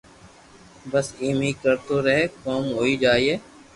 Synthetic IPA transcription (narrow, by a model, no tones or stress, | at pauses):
bəsiːmiːkəɾt̪oːɾəɦekoːmɦoːiːd͡ʒaːiːeː